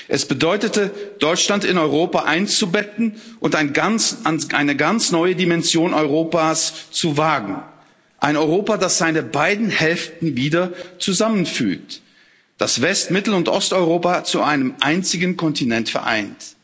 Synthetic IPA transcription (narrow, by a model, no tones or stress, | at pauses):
ʔɛsb̥ədɔʏtətəd̥ɔʏt͡ʃlantɪnɔʏʁoːpaʔaɪnt͡subɛtn̩ʔʊntaɪnɡananʔaɪnəɡant͡snɔʏədimɛnzjoːnɔʏʁoːpaːst͡suvaːɡŋ̩ | ʔaɪnɔʏʁoːpadasz̥aɪnəbaɪdn̩hɛlftn̩viːdɐt͡suzamənfy̰ːk̚t | d̥asv̥ɛstmɪtl̩ʊntʔɔstɔʏʁoːpat͡suʔaɪnəmʔaɪnt͡sɪɡən̩kʰɔntinɛntfɛɐʔa̰ɪnt